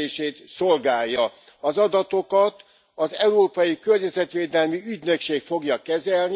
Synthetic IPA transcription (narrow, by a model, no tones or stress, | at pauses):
eːʃeːt̪so̞lɡaːjːɒ | ɒzɒd̪ɒt̪o̞kɒt̪ | ɒzɛuɾoːpɒjikørɲɛzɛt̪ʋeːd̪ɛlmiyɟnø̞kʃeːkfo̞ɡjɒkɛzɛlni